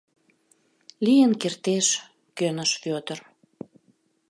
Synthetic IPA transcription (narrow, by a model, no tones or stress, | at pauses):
lijənkert̪eʃ | kønəʃpot̪ər